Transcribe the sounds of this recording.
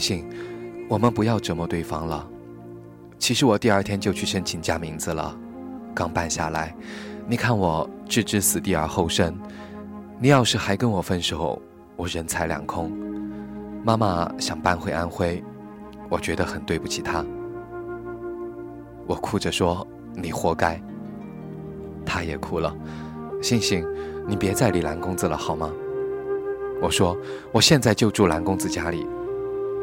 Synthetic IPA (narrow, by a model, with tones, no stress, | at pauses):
ɕi˥˩ŋwɔ˨˩mə˦npu˧˥jɑ˥˩ʊʈ͡ʂɤ˧˥mə˧t̪we˥˩ɪfɑ˥ŋlə˨ | t͡ɕʰi˧˥ʂɻ̩˧˥wɔ˨˩t̪i˥˧ə˞˥˩t̪ʰjɛ˥nt͡ɕjo˥˧ʊt͡ɕʰy˥˩ʂə˥nt͡ɕʰi˧˥ŋt͡ɕja˥mi˧˥ŋd͡zɹ̩˧lə̰˩ | kɑ˥ŋpa˥˧nɕja̰˥˩la˧˥ɪni˨˩kʰa˥˩nwɔ˨˩˦ʈ͡ʂɻ̩˥˩ʈ͡ʂɻ̩˥sɹ̩˨˩t̪i˥˩ə̰˞˨˧˥xo˥˩ʊʂə˥n | ni˨˩jɑ˥˧ʊʂɻ̩˥˩xa˧˥ɪkə˥nwɔ˨˩fə˥nʂo˨˧˩ʊ | wɔ˨˩ɻə˧˥nt͡sʰa˧˥ɪljɑ̰˨˩ŋkʰʊ˥ŋ | ma˥ma̰˧˨ɕjɑ˨˩ŋpa˥˧nxwe˥˧ɪa˥nxwe˥˩ɪ | wɔ˨˩t͡ɕɥɛ˧˥d̪ə˧xə˨˩nt̪we˥˧pu˥˩t͡ɕʰi˨˩t̪ʰa˥ | wɔ˨˩kʰu˥˩ʈ͡ʂə˩ʂwɔ˥ | ni˨˩xwɔ˧˥ka˥ɪ | t̪ʰa˥jɛ̰˨˩kʰu˥˩lə̰˨˩ɕi˥˧ŋɕi˥ŋni˨˩pjɛ˧˥t͡sa˥˩ɪli˨˩la˧˥nkʊ˥ŋd͡zɹ̩˨lə̰˩xɑ˨˩ʊmɐ˦ | wɔ˨˩ʂwɔ˥ | wɔ˨˩ɕjɛ˥˧nt͡sa˥˧ɪt͡ɕjo˥˧ʊʈ͡ʂu˥˩la˧˥nkʊ˥ŋd͡zɹ̩˨˧t͡ɕja˥li˨˩˦